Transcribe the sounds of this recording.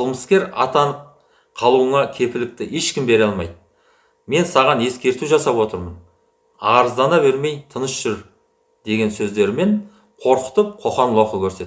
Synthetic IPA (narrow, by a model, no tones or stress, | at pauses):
qʰəlˠməskʲe̞ɾɑt̪ɑɴə | qʰɑlˠuəɴɑkʲʰe̞pɪlɪk̚t̪ɪʔeʃkʲɪmbe̞ɾɑlˠmɑ̰jd̪ | me̞nsɑʁɑne̞skʲe̞ɾt̪uʒɑsɑpwo̞t̪əɾmən | ɑɾəzd̪ɑnɑβe̞ɾme̞jt̪ʰənəsʒ̥ʏɾ | d̪̥e̞ɡʲe̞nsɵzd̪e̞ɾɪme̞ɴ | qʰo̞ɾqə̥t̪əp̚qʰo̞χɑnlˠoqəkʲʰɵɾse̞t̪ɪ